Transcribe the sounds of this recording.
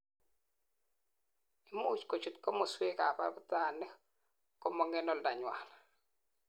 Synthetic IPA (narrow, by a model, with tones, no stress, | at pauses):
i˦mo˦u˨t͡ʃko˨t͡ʃu˨t̪̚ko˦mo˨swe˦ka̰˨pa̰˦bʊ˦t̪a˦˨nɛ˦ | ko˦mɔ˨ŋɛ˦nɔ˦˨lda˨ɲwa˨l